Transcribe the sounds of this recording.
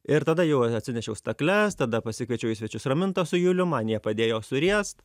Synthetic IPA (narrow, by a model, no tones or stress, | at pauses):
ɪɾt̪ɐd̪ɐjɛʊɐɐt̪ʲsʲɪnʲɛʃʲɛʊst̪ɐklʲɛst̪ɐd̪ɐpɐsʲɪkʋʲɛɪt͡ʃʲɛʊjɪsʲʋʲɛt͡ʃʲʊsrɐmʲɪnt̪ɐsʊjʊlʲʊmɑːnʲɪjɛpɐd̪ʲeːjoːsʊɾʲiɛst̪